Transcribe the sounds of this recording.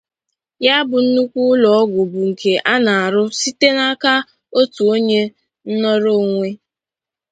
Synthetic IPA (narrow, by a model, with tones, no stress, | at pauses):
ja˦bʊ˨n̩˦nu˦kʷu˦ʊ˦lɔ˨ɔ˦ɡʷʊ˨bʊ˨ŋ̩˨ke˨ʔa˦na˨a˨ɾʊ˦si˦te˦na˦ka˦ | o˦tu˨o˦ɲe˦ | n̩˦nɔ˦ɾo˦˨ŋʷe˦